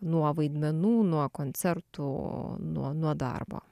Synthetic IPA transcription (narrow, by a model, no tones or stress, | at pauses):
nuɔʋɐɪd̪ʲmʲɛnuːnuɔkonʲt̪sʲɛɾt̪unṵɔnuɔd̪ɑ̰rbo̰ː